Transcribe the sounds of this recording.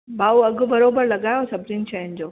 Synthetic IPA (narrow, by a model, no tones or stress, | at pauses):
baːuɐɡʱʊ̆bɐɾoːbəɾlɐɠaːjosɐbɾɪnʃɐɦɪnd͡ʑoː